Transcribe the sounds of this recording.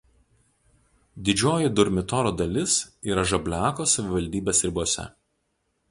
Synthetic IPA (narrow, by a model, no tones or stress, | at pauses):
d̪ʲɪd͡ʒʲoːjɪd̪ʊɾʲmʲɪt̪ɔɾoːd̪ɐlʲɪsiːɾɐʒɐbʲlʲæːkoːsɐʋʲɪʋɐlʲd̪ʲiːbʲeːsɾʲɪbuɔsʲɛ̰